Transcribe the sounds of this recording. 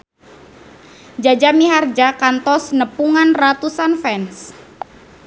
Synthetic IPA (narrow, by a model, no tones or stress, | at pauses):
d͡ʒad͡ʒamiɦard͡ʒakant̪ɔsnəpuŋanrat̪usanfɛns